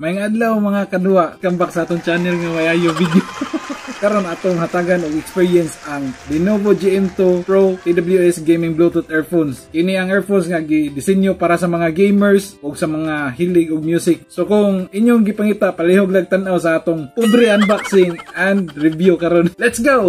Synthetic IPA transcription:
majŋad̪lawmɐŋakɐduaʔkambak̚saʔaːt̪ʊŋt͡ʃanɛlŋawajaːjʊŋvid̪jokɐɾonʔaːt̪oŋɦat̪aːɡanʊɡɛkspiɹiɛnsaŋlɪnovod͡ʒiʔɛnt̪opɾowp̪id̪abljuɛsɡejmɪŋblot̪ut̪ɛɹfonsʔinɪaŋɛɹfonsŋaɡɪd̪ɪsɛnjopaːɾasɐmɐŋaɡejmɛɹsʊɡsɐmɐŋahilɪɡʊɡ̚mjusɪk̚sokʊŋɪɲjʊŋɡɪpaŋit̪apaliɦoɡ̚laɡ̚t̪anawsaaːt̪ʊŋpʊd̪ɾɛanbaksinʔand̪ɾɪvjʊkaɾonlɛt̪sɡow

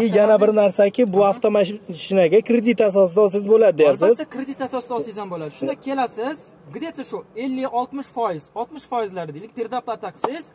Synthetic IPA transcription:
ɪjjanabɪɾnaɾsakʲɪbʊaft̪ʰomaʃɪnaɡʲakʰɾed̪ɪt̪as̬ɒs̬ɪd̪as̬ɪzbolad̪ɪd̪ejasɪzkʰɾed̪ɪt̪asɒsɪd̪aːsijzanbolad̪ɪʃʊnd̪akʲʰe̞lasɪz | ɡd̪et̪ʰaʃʊe̞lːɪɒlˠt̪mɪʃfɒjɪz̥ɒlˠt̪mɪʃfɒjɪzlaɾɪd̪elɪk̚ʲpʰʲeɾd̪aplˠat̪ʰaqʰɨ̥sɪz̥

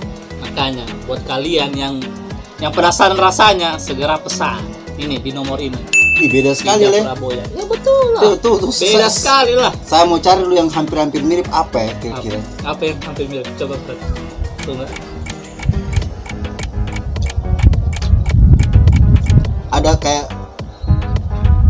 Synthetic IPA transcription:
makaɲabuat̪̚kalianjaŋ | jaŋpənasaanrasaɲasəɡəɾapəsa | inidinɔmɔɾiniibedasə̥kalilɛɾabolajabət̪ulʊt̪ut̪usbedasə̥kalilahsajamaut͡ʃaɾilujaŋɦampɪrhampɪrmiɾɪpapajakiɾakiɾaapajaŋhampɪrmiɾɪp̚t͡ʃobaat | t̪uŋa | ʔadakaja

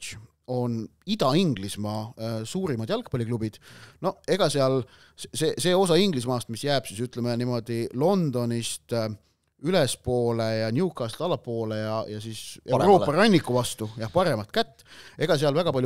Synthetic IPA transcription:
o̞nid̪̥ɑiŋɡ̥lismɑːsuːɾimɑd̪̥jɑlk̚pɑlʲiklub̥id̪̥no̞e̞ɡ̥ɑseɑl | sesese̞ːo̞sɑiŋɡ̥lismɑːst̪misjæːb̥sisyt̪ˑlemenimo̞d̪̥ilo̞nd̪̥o̞nist̪ | ylespo̞ːle̞jɑnʲjukɑst̪ɑlɑpo̞ːlejɑjɑsiːseɾo̞ːpɑrɑnʲːikːˑuvɑst̪ujɑhpɑɾe̞mɑt̪kæt̪ːe̞ɡ̥ɑs̬eɑlvæɡ̥ɑpɑlʲj

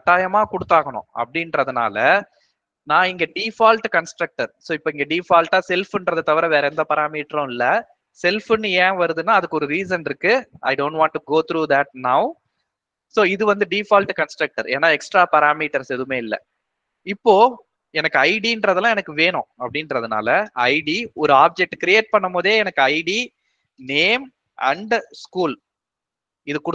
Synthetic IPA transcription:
ɐʈ̪ːaːjɐmaːkʊɽɯt̪ːaːɣɐɳʊ̰̃ɐ̰pːɐɽɪnɾɐðɯna̰ːlɐ | nãːɪŋɡɐɖiːfaːlʈkɐnsʈɾɐk̚ʈɐɾsoːɪpːoːɪŋɡɐɖiːfaːlʈaːsɛlfɪndɾɐðɐt̪ɐʋɐɾɐʋeːɾɐɛnd̪ɐpɐɾaːmiːʈɾʊ̃ɪlːɐ | sɛlfɪnːɯẽːʋɐɾɯðɯnːaːɐðɯkːɔɾɯɾiːs̬ɐnɪɾɯkːɯʔɐ̰ɪɖõːɳʈʋãːɳʈːuɡoːt̪ɾuːd̪ɐʈ̚nɐʊ | soːɪðɯʋɐnd̪ɯɖiːfaːlʈkɐnsʈɾɐk̚ʈɐɾeːnːaːɛksʈɾaːpɐɾaːmiːʈɐɾsɛðɯmeːɪlːɐ̰ | ɪpːoː | ɛnɐkːɯɐɪɖiɪndɾɐðɐlãɛnɐkːɯʋeːɳʊ̃ːɐpːɐɽɪnɾɐðɯna̰ːlɐɐɪɖiɔɾɯaːb̚d͡ʒɛk̚ʈːkɾɪeːʈ̚pɐɳːɐmpoːðeːɛnɐkːɯɐɪɖi | neːm | ɐɳɖskuːl | ɪðɯkːʊɽ

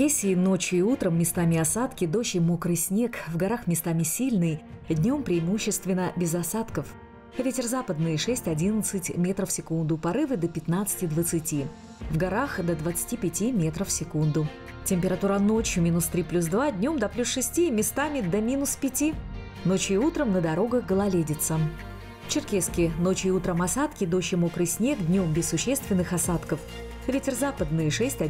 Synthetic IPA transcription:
esʲɪːno̞t͡ɕjʊɪut̪ɾəmːʲɪst̪amʲɪɐsat̪kʲɪd̪o̞ɕɪmukɾɨsʲnʲe̞kvɡɐɾaxmʲɪst̪amʲɪsʲilʲnɨj | d̪ʲnʲo̞mpɾʲɪɪmuɕːɪst̪vʲɪnəbʲɪzɐsat̪kəf | vʲetʲɪrzapəd̪nɨjɪʂɛsʲtʲɐdʲinət̪sɨtʲmʲet̪ɾəfsʲɪkund̪ʊpɐɾɨvɨd̪əpʲɪt̪nat̪sɨ̥tʲɪd̪vət̪sɨtʲi | vɡɐɾaxd̪əd̪vət̪sɨ̥tʲipʲɪtʲimʲet̪ɾəfsʲɪkund̪ʊ | tʲɪmʲpʲɪɾɐt̪uɾano̞t͡ɕjʊmʲinʊst̪ɾʲiplʲus̬d̪vad̪ʲnʲo̞md̪ɐplʲusʂɨsʲtʲimʲɪst̪amʲɪd̪əmʲinʊspʲɪtʲi | no̞t͡ɕiut̪ɾəmnəd̪ɐɾo̞ɡəxɡəlˠɐlʲedʲɪt̪sə | ft͡ɕɪrkʲeskʲɪno̞t͡ɕɪːut̪ɾəmɐsat̪kʲɪd̪o̞ɕɪmokɾɨjsʲnʲekd̪ʲnʲo̞mbʲɪsːʊɕːest̪vʲɪnːɨxɐsat̪kəf | vʲetʲɪrzapəd̪nɨjəʂɛsʲtʲɐ

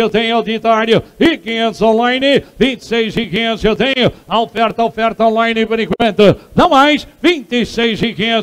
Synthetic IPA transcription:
ewt̪ẽɲʊad̪it̪aɾjʊikiɲẽnt̪ʊzõlˠajnɪvĩnt̪sejzikiɲẽewt̪ẽɲʊɐofɛɾt̪ɐofɛɾt̪ɐõlˠajnɪpʊɾĩkwẽnt̪ʊnɐ̃w̃majʃvĩnt̪isejzikiɲẽ

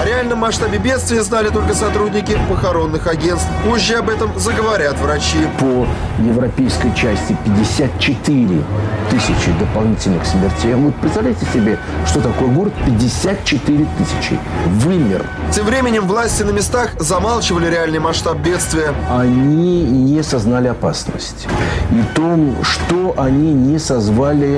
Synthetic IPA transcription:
ɐɾʲɪalʲnəmːɐʂt̪abʲɪbʲe̞t̪st̪vʲɪjəznalʲɪt̪o̞lʲkəsɐt̪ɾudʲnʲɪkʲɪpəxɐɾo̞nːɨxɐɡʲe̞nst̪fpoʑːɪɐbɛt̪əmzəɡəvɐɾʲat̪vɾɐt͡ɕipə | jɪvɾɐpʲejskəjt͡ɕæsʲtʲɪpʲɪdʲːɪsʲat̪̚t͡ɕɪt̪ɨɾʲɪt̪ɨsʲɪt͡ɕɪd̪əpɐlˠnʲitʲɪlʲnɨxsʲmʲɪrtʲejnvot̪̚pɾʲɪt̪st̪avlʲɛjtʲɪsʲɪbʲe | ʂt̪o̞t̪ɐko̞jəɡo̞ɾət̪̚pʲɪdʲːɪsʲat̪̚t͡ɕɪt̪ɨɾʲɪt̪ɨsʲɪ̥t͡ɕɪ̰ | vɨmʲɪ̰rˠ | tʲemvɾʲemʲɪnʲɪmvlˠasʲtʲɪnəmʲɪst̪axzɐmalˠt͡ɕɪvəlʲɪɾʲɪalʲnɨjmɐʂt̪ap̚bʲe̞t̪st̪vʲɪjəɐnʲinʲɪsɐznalʲɪɐpasnə̰sʲtʲit̪omʂt̪oʔɐnʲinʲɪsɐzvalʲɪ

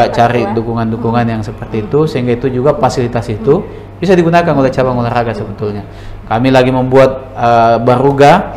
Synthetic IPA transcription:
at͡ʃaɾidukuŋandukuŋanjaŋsəpərt̪iːt̪usəɦiŋɡait̪ud͡ʒuɡapasilit̪ast̪u | bisadiɡunakanolɛt͡ʃabaŋolɛraɡasəbət̪ʊlɲa | kamilaɡiməmbuat̪̚ | əbəɾuɡa

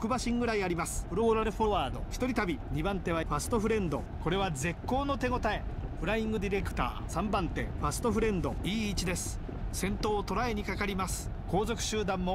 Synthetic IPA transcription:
okɯ̟baɕĩŋɡɯ̟ɾaiaɾʲimasɨ̥pɯ̟ɾo̞ɾaɾɯ̟ɸoβaːd̪o̞̰çʲi̥t̪o̞ɾʲit̪abʲiɲ̟ibãnt̪e̞β̞aɸasɨ̥t̪o̞ɸɯ̟ɾẽ̞nd̪o̞̰ | ko̞ɾe̞β̞aze̞kːo̞ːno̞t̪e̞ɡo̞t̪ae̞ɸɯ̟ɾaĩŋɡɯ̟d̪ʲiɾe̞kɯ̟̥t̪a̰ːsãmbãnt̪e̞̰ɸasɨ̥t̪o̞ɸɯ̟ɾẽ̞nd̪o̞̰iːt͡ɕid̪e̞sɨ̥ | sẽ̞nt̪o̞ːt̪o̞ɾae̞ɲ̟ikakaɾʲimasɨ̥ | ko̞ːzo̞kɯ̟̥ɕɨːd̪ãmːo̞

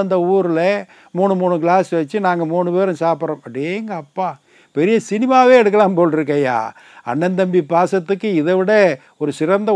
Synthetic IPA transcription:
ɐnd̪ɐuːɾɪlɐ | muːɳɯmuːɳɯkɪɭaːsʋɐt͡ʃːɯnaːŋɡɐmuːɳɯpeːɾɯ̃saːpɪɾõːmɐpːɽeŋɡɐɐpːaː | pɛɾɪjɐsɪnɪmaːʋeːɛɽɯk̬ːɐlãːmpoːlɪɾɯkːɐja̰ː | ɐ̰ɳːɐnd̪ɐmbipaːsɐt̪ːɯkːɯɪðɛʋɪɽɐ | ɔɾɯsɪɾɐnd̪ɐ

